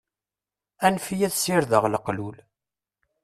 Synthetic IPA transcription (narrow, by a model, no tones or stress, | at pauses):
ænfijæðsɪɾðəʁləqlul